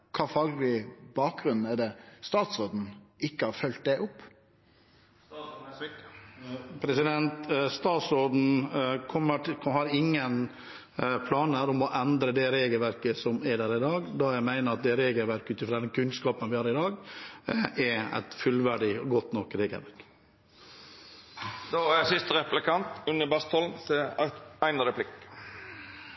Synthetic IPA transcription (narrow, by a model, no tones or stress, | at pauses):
kʰɑːfɑːɡlɪbɑːk̚ɡɾʉnn̩ɛd̪ɛst̪ɑːt̪sɾoːd̪n̩ɪkːəhɑɾfœlt̪̚d̪ɛʔʊpː | pʰɾɛsɪd̪ɛnt̪st̪ɑːt̪sɾod̪n̩kʰɔmːəʈʰhɑɾɪŋːən | pʰlɑːnəəɾɔmɔʔɛnd̪ɾəd̪ɛɾeːɡəlʋæɾkəsɔmæɖ̪æːɾɪd̪ɑːɡd̪ɑjæɪmæɪnəɾɑt̪̚d̪ɛɾeːɡəlʋæɾkʉːt̪ɪfɾɔd̪ɛnkʰʉnskɑːpənʋɪhɑːɾɪd̪ɑːɡ | ʔɛɾæ̰ɪt̪fʉlʋæɖɪɔɡɔt̪nɔkːɾeːɡə̰lʋæɾk | d̪oːæsɪst̪əɾɛplɪkʰɑnt̪ʉnəbɑst̪ʰɔln̩t̪ɛɑæɪnəd̪ɛpʰlɪkː